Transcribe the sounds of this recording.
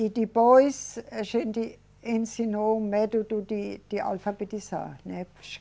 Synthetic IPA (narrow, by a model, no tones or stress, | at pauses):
idib̥ɔisʃendi | ensinomɛdud̥udid̥iʔa̰lfabetisa̰nɛpʃ